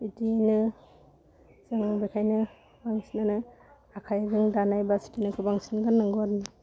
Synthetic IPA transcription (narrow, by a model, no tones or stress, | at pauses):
itinɯ | zɯŋbekʰajnɯ | baŋsinanɯ | akʰajzɯŋdanajbasi̥tinɯkʰɯbaŋsinɡanːɯŋɡɔɾnɯ